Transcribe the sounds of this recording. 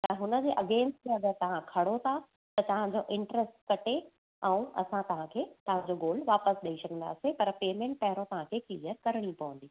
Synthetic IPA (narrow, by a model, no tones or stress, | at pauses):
t̪ɐɦʊnə̆d͡ʑeːʔɐɡẽːnsʈmẽɐɡəɾt̪ɐʋ̤ãkʰɐɽot̪ʰa | t̪ɐt̪ɐʋãd͡ʑoʔɪ̃ɳʈɾəsʈkɐʈʰe | ɛ̃ũʔɐ̰sãt̪ɐʋ̤ãkʰeːt̪ɐʋ̤ãɲd͡ʑoɡoːlʋaːpəsɗɐisɐkʰə̃nd̪a̰ːsepɐɾpeːmẽːɳʈ̚pɐɦɪɾõt̪ɐʋ̤ãkʰeːkliːəɾkɐɾɽ̃ipɐʋə̃n̆d̪iː